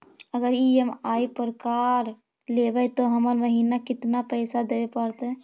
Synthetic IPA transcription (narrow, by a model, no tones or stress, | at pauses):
əɡəɾiemaipəɾəkaɾ | lebɛt̪ɔɦəməɾməɦinakɪt̪napəɪsad̪ebepəɾt̪ɛ